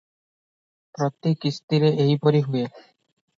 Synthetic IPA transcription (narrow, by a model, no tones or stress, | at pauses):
pɾɔt̪ːikːist̪iɾeʔejpoɾiɦue